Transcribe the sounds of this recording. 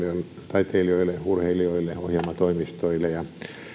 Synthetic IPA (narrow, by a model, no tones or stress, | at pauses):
iol | t̪ɑit̪eilioilːˑeurheilioilːˑeohjelmɑt̪oimist̪oilːˑejɑ